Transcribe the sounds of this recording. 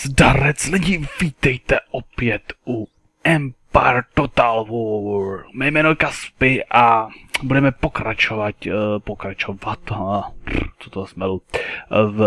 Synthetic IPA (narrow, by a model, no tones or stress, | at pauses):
zdaɾɛt͡slɛɟimviːt̪ɛjt̪ɛʔopjɛt̪ʔu | ʔɛmpaɾt̪ot̪alvɔɾmɛjmɛːnokaspɪʔabudɛmɛpokɾat͡ʃovatpokɾat͡ʃovat̪ | t̪ut̪osmɛlu | v